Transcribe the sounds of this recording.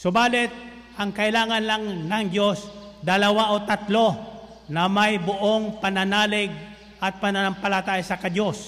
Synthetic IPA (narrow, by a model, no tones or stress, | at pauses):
sʊbaːlɪt̪̚ | ʔɐŋkɐʔɪlaːŋɐnlaŋnɐŋdo̞sd̪ɐlɐwaʔot̪ɐt̪lo̞ | nɐmajbʊʔoŋpɐnɐnaːlɪɡ̚ | ʔɐt̪̚pɐnanampɐlat̪aʔɪsakɐd͡ʒo̞s